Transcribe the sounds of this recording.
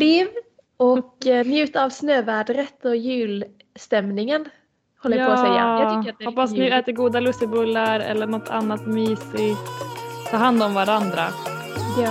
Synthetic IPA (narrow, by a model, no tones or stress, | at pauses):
liːv | ɔknjʉ̟ːt̪avsnøːvæːɖɾət̪ɔjʉ̟ːl | st̪ɛmnɪŋən | hɔlːəjpʰɔːsɛja̰ʏkːəaɔpːasnʉɛːt̪əɾɡuːd̪alɵst̪ɪbɵlːaɾɛ̰lːəɳɔt̪ʰːa̰nːat̪myːsɪ | t̪ʰɑːhand̪ɔmvaɾand̪ɾa